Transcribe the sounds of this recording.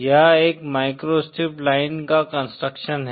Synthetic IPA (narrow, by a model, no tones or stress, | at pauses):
jɐɦeːkmaːɪkɾoːsʈɪplaːɪnkakə̃nsʈɾəkʃənɦɛ